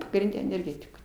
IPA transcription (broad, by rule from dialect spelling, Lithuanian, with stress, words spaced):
pɐɡrʲɪnʲˈdʲɛ ɛnʲɛrʲˈɡʲæːtʲɪkʊ